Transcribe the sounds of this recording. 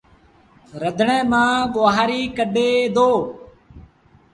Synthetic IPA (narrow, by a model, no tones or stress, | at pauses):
ɾəd̪ʱɳẽːmãːɠoʋaɦaːɾiːkəɗeːd̪oː